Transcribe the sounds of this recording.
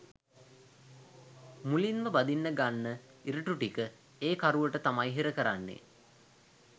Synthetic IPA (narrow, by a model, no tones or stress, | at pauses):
mulinməbad̪inːəɡanːə | iɾəʈuʈikə | eːkaɾuʋəʈət̪amajɦiɾəkəɾanːḛ